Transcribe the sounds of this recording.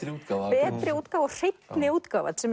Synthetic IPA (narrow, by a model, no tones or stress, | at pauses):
uːpɛːt̪ɾɪuːt̪kaːvɔɣr̥ejt̪nɪuːt̪kaːva̰t̪sɛm